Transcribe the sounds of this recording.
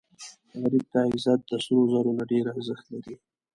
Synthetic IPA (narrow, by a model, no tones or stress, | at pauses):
ɣaɾib̚t̪aɪzɑt̪̚d̪əsuɾozaɾonaɖeɾaɾzəxt̪laɾi